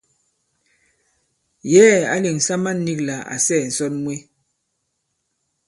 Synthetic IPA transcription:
jɛː˦a̰˨li˨ŋ̩˨sa˦ma˦nː˦i˦kla˨a̰˨sɛ˦˨n̩˨sɔ˦nmwe˦

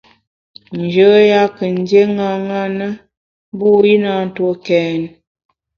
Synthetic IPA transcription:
n̩˨d͡ʒə˦ja˦kə˨n˦dje˦ŋa˦ŋa˦nə˦ | bu˦ji˦na˦n̩˨to˦kɛː˨n

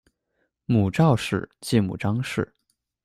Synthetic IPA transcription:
mu˨˩ʈ͡ʂɑ˥˧ʊʂɻ̩̰˥˩t͡ɕi˥˩mṵ˨˩ʈ͡ʂɑ˥ŋʂɻ̩˥˩

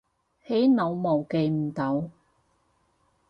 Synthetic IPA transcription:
he˨˥jnɐ˨˧wmo˨˩wke˨˧jm̩˨˩t̪ɐ˨˧w

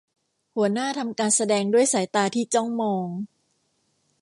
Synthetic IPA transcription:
hu˩˦ɐnaː˥˩t̪ʰa˧mkaː˧nsa˧dɛː˧ŋdu˥˩əjsaː˩˦jt̪aː˧t̪ʰiː˥˩t͡ɕɔ˥˩ŋmɔː˧ŋ

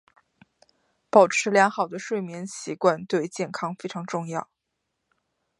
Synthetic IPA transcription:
pɑ˨˩ʊʈ͡ʂʰɻ̩˧˥ljɑ˧˥ŋxɑ˨˩ʊd̪ə˦ʂwe˥˩ɪmjɛ˧˥nɕi˧˥kwa˥˧nt̪we˥˧ɪt͡ɕjɛ˥˩nkʰɑ˥ŋfe˥ɪʈ͡ʂʰɑ˧˥ŋʈ͡ʂʊ˥˧ŋjɑ˥˩ʊ

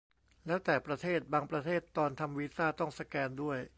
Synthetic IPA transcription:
lɛː˦˥wt̪ɛː˨˩pɾa˧t̪ʰeː˥˩t̪̚baː˧ŋpɾa˧t̪ʰeː˥˩t̪ːɔː˧nt̪ʰa˧mwiː˦˥saː˥˩t̪ɔ˥˩ŋsa˧kɛː˧ndu˥˩əj

